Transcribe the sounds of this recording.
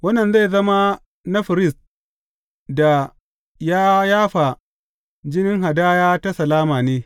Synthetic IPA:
wɐ˦nːɐ˨nza˦˨zɐ˦ma˦ | nɐ˦ɸɪ˨ɾɪ˦˨s | da˨ | jaː˦jaː˦ɸa˨ | d͡ʒɪ˦nɪ˦ŋɦa˨daː˦jaː˦ta˦sɐ˨laː˦maː˨neː˦

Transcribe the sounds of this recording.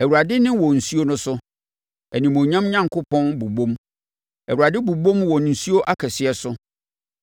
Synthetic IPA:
ɛ˨wu˨ɾa˨dɪ˦nɪ̃˦wɔ̃˨n̩˨su˦o˦nʊ̃˦sʊ˦ | ɛ˨nĩ˨mõ˨ɲã˦mɲã˦˨ŋkʰʊ˦pʰɔ̃˦nbu˨bõ˦m | ɛ˨wu˨ɾa˨dɪ˦bu˨bõ˦mwɔ̃˨n˨n̩˨su˦o˦ʔa˦kʰɛ˨sɪ˨ɛ˨sʊ˦

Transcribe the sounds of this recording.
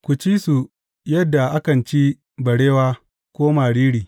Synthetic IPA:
kʷu˨t͡ʃiː˦su˨ | jɐ˦dːa˨ʔa˦kɐ˨nt͡ʃi˦ | bɐ˨ɽeː˦waː˦ | kʷoː˦maː˨ɽiː˦ɽiː˨

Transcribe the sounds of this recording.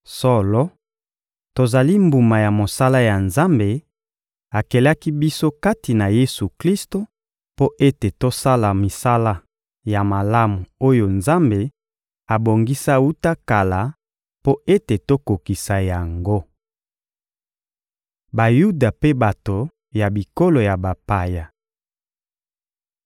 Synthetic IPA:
sɔ˦lɔ˦ | to˨za˨li˦mbu˨ma˨ja˨mo˨sa˦la˦ja˨nza˦mbe˨ | a˨kɛ˨la˦ki˦bi˦so˦ka˦ti˨na˨je˦su˨kli˦sto˦ | po˦ʔe˦te˨to˦sa˦la˨mi˨sa˦la˦ | ja˨ma˨la˦mu˨o˦jo˨nza˦mbe˨ | a˨bo˨ŋɡi˦sa˦u˦ta˦ka˨la˨ | po˦e˦te˨to˦ko˨ki˨sa˨ja˨ŋɡo˦ | ba˨ju˦da˨pe˦ba˨to˨ | ja˨bi˨ko˦lo˨ja˨ba˨pa˨ja˨

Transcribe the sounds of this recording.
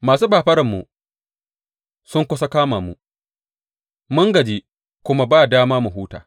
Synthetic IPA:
maː˨s̬uː˦baː˨ɸɐ˦ɾɐ˨mːṵ˨ | sʊ˦ŋkʷʊ˦sɐ˦kaː˦maː˨mṵ˨ | mʊ˦ŋɡɐ˨d͡ʒi˦ | kʷʊ˦ma˦baː˦˨daː˦maː˦mu˨ɦuː˦ta̰ː˨

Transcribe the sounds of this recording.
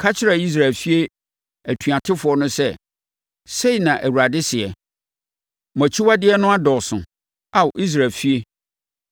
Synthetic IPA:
kʰa˦t͡ɕʰɪ˦ɾa˨i˦s̬ɾa˨lfi˦e˦ | æ˨tʰɥa˨tʰɪ˦fʊ˨ɔ˦nʊ̃˦sɛ˦ | se˦i˨nã˨ʔæ˨wu˨ɾa˨dɪ˦sɪ˨ɛ˨ | mɔ̃˨t͡ɕʰi˦wa˦dɪ˦ɛ˦nʊ̃˦a˦dɔ˨sʊ̃˨ | a˨wʔi˦s̬ɾa˨lfi˦e˦

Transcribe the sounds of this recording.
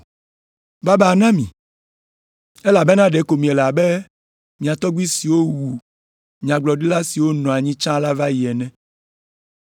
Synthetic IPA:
ba˦bɛ˨nã˦mḭ̃˨ | e˦la˨be˦nã˦ɖe˨˦ko˨mĩ˨ɛ˨la˨be˦ | mĩ˨a˨t̪ɔ˦ɡ͡bi˦si˨wo˦wu˨ | mĩ˨ã˨ɡ͡blɔ˨ɖi˦la˦si˨wo˦nɔ̃˨a˨ɲĩ˦t͡ʃã˦la˦va˦ji˨ɛ˨nɛ̃˦

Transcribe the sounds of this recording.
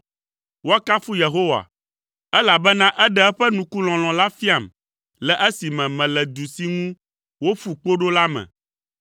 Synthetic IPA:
wo˦a˦ka˦fu˦je˨ɦo˦wa̰˨ | ɛ˦la˨bɛ˦nã˦ʔɛ˦ɖɛ˦ɛ˦ɸɛ˦nũ˨ku˦l̃ɔ̃˨l̃ɔ̃˨la˦fi˦a˨m | lɛ˨ʔɛ˦si˨mɛ̃˨mɛ̃˨lɛ˨d̪u˨si˦ŋũ˦ | wo˦fu˨k͡po˦ɖo˦la˦mɛ̰̃˨

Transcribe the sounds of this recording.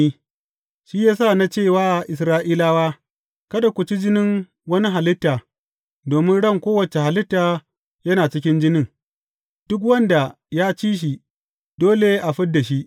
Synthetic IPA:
i˦ | ʃi˦jaː˦sa˦˨na˦t͡ʃeː˦˨waː˦˨ʔɪ˨s̬ɾaː˦ʔiː˦laː˦waː˦ | kɐ˦ɗa˨kʷʊ˨t͡ʃi˦d͡ʒɪ˦nɪ˦ŋ | wɐ˦ni˦ɦa˨lɪ˦tːaː˨ | doː˨mɪ˦nɽɐ˦˨ŋkʷoː˦wɐ˨t͡ʃe˨ha˨lɪ˦tːaː˨ | jɐ˦naː˨t͡ʃɪ˦kʲɪ˦nd͡ʒɪ˦nɪ˦˨ŋ | d̥ʊ˦k̬wɐ˦nda˨ | jaː˦t͡ʃiː˦ʃ̬i˨ | d̥oː˦le˨ʔa˨ɸɪ˦ddːa˨ʃi˦ʔ

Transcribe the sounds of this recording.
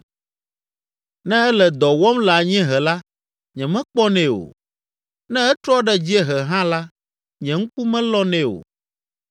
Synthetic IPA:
nɛ̃˦ɛ˦lɛ˨d̪ɔ˨wɔ˦mla˨ɲɛ̃˦ɦɛ˨la˦ | ɲɛ̃˨mɛ̃˦k͡pɔ˦nɛ̃˦wo̰˨ | nɛ̃˦ɛ˦t̪ɾɔ˦ɖɛ˦d͡ʑi˦ɛ˦ɦɛ˨ɦã˦la˦ | ɲɛ̃˨ŋ̩˦ku˦mɛ̃˦lɔ˦nɛ̃˦o̰˨

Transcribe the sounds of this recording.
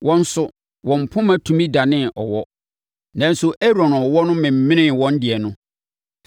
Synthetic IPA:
wɔ̃˦n̩˦sʊ˨ | wɔ̃˨m̩˨pʰʊ̃˦mã˨tʰũ˨mĩ˦da˨nɪ̃˦ɔ̰˨wɔ˦ | nã˨n̩˦sʊ˨ʔɛ˦ɾɔ̃˨nɔ˨wɔ˦nʊ̃˦mɪ̃˨m̩˨˦mɪ̃˦nɪ̃˦wɔ̃˦n̩˦dɪ˨ɛ˨nʊ̃˦

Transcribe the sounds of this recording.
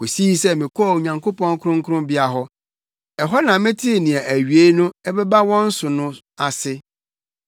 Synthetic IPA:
ko˨si˦sɛ˦mɪ̃˨kʰɔ˦˨u˨ɲã˨ŋkʰo˦pɔ̃˦ŋ˦kʰʊ˦ɾʊ̃˦ŋ̩˦kʰʊ˦ɾʊ̃˦bɪ˦a˨ɦɔ˦ | ɛ˨ɦɔ˦nã˨mɪ̃˦tʰi˦˨nĩ˨ɛ˨ʔæ˨ɥi˨e˦nʊ̃˦ɛ˦bɛ˦ba˦wɔ̃˦n̩˦sʊ˨nʊ̃˦ | a˨sɪ˦

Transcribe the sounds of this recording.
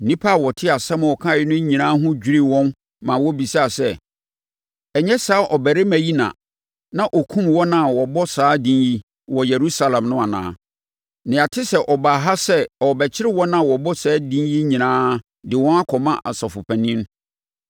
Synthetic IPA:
nĩ˦pʰa˦˨wɔ˨tʰɪ˦a˨sɛ˦mɔ̃˨ɔ˨kʰã˦˨ɪ˦nʊ̃˦ɲĩ˨nãː˦ɦʊ̃˦d͡ʑᶣi˦ɾi˦wɔ̃˦n | mã˨wɔ˦bi˨sa˦a˨sɛ˦˨ | ɛ˨ɲɛ˦saː˨˦ʔɔ˨bæ˨ɾɪ˦mæ̃˨ji˦nã̰˨ | nã˦ʔɔ˨kʰũ˦mwɔ̃˦nã˦˨wɔ˨bɔ˦saː˨˦dĩ˦nji˦ | wɔ˨jɛ˨ɾu˦sa˦lã˨mnʊ̃˦a˨nã̰ː˨˦˨ | nɪ̃˨a˨tʰɪ˦sɛ˦ʔɔ˨ba˨ɦa˦sɛ˦ɔ˨bɛ˨t͡ɕʰɪ˦ɾɪ˦wɔ̃˦nã˦˨wɔ˨bɔ˦sɛː˨˦dĩ˦nji˦ɲĩ˨nãː˦ | dɪ˨wɔ̃˦na˦kʰɔ˨mã˦ʔa̰˨sɔ˨fʊ˨pʰæ̃˨nĩ˦n˦

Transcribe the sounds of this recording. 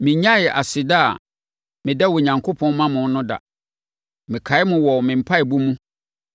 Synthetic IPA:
mɪ̃˨ɲã˦jɛ˨ʔa˨sɪ˨daː˦a˨ | mɪ̃˨dɛ˦wɔ˨ɲã˨ŋkʰo˦pʰɔ̃˦nmã˦mʊ̃˨n˦nʊ̃˦da̰˨ | mɪ̃˨kʰa˨˦ɪ˦mʊ̃˨wɔ˨mɪ̃˨m̩˨pʰa˦ɛ˨bu˦mũ˦

